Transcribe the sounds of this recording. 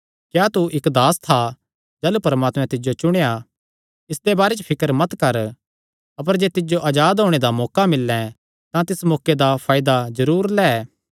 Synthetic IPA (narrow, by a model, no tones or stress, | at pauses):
kjaːt̪uʔɪkd̪aːst̪ʰa | d͡ʒɛːlupɐɾəmaːt̪mɛ̃t̪ɪd͡ʒot͡ʃʊɽ̃eja | ɪsd̪ebaːɾet͡ʃəpʰɪkəɾmɐt̪kɐɾ | ɐp̬əɾd͡ʒeːt̪ɪd͡ʒoʔɐd͡ʒaːd̪ɦoːɽ̃ed̪amɔːkamɪlːɛ̃ | t̪ãt̪ɪsmɔːkːed̪apʰaːɪd̪azɐɾuːɾlɛː